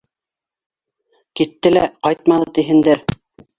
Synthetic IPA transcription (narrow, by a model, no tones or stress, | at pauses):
kit̪ːɘlæqɑjt̪̚mɑnɤt̪iɦɘ̆nd̪ɘɾ